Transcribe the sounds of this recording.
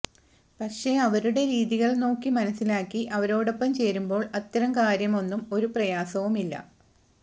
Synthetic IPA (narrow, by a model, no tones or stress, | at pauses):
pɐkʂe̞ɐʋɐɾuɽe̞ɾiːðiɣɐɭno̞ːkːimɐnɐsilaːkːiʔɐʋɐɾo̞ːɽo̞pːɐmt͡ɕe̞jːɾumbo̞ːɭɐt̪ːɐɾɐmkaːɾjɐmo̞nːumo̞ɾuprɐjaːsɐʋumilːɐ̰